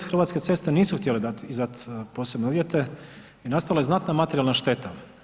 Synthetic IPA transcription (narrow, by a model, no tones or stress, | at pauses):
xɾr̩ʋat̪ske̞t̪se̞st̪e̞niːsuxt̪jeled̪at̪izat̪poːsebneuʋjet̪e̞ | inast̪aʋilajenat̪namat̪eɾjalnaʃt̪e̞t̪a